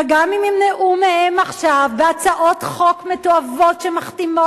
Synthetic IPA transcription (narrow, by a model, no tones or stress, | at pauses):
eɡamimemneʔʔumehemaχʃavːeat͡saʔo̞tχo̞kmetoavo̞tʃemaχtimo